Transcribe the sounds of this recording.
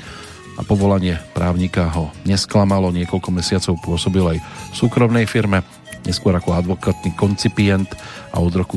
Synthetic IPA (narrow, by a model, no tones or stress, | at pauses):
ʔa̰pɔʋɔlaɲɪɛpɾʔaːʊɲikaɦɔɲɛsklamalɔɲɪɛkɔʎkɔmɛsɪat͡sɔʊpʊɔsɔbilajfsuːkɾɔmnɛjfiɾmɛ | ɲʔɛskʊɔɾakɔad̪ʋɔkat̪niːkɔnt͡sipɪɛnt̪ʔa̰ɔd̪ɾɔku